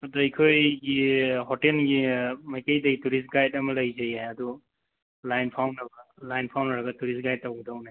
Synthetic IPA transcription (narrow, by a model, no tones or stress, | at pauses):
dajkʰojɡiɦɔtenɡimajkejdejtuɾisɡajtamɯlaɡizejajadu | lajnpʰawnaɡalajnpʰawnaɾaɡatuɾisɡajt̚ːawɡudawnaj